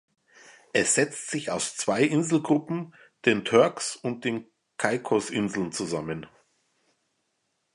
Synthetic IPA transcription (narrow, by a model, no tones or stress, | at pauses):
ʔɛsz̥ɛt͡stz̥ɪçaʊst͡sv̥aɪʔɪnzl̩ɡʁʊpm̩ | d̥eːntʰœɐksʊnt̚d̥eːn | kʰaɪkʰɔsʔɪnzl̩nt͡suzamən